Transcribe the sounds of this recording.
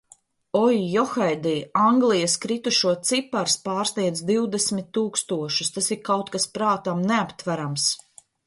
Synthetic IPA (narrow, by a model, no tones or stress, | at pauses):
ɔjːɔxajd̪iːaŋɡlˠijɐskɾit̪uʃuɔt̪sipaɾspaːɾsniɛd̪zd̪iwd̪esmit̪ːuːkst̪uɔʃust̪asiɾkawt̪̚kaspɾaːt̪amneapt̪væɾams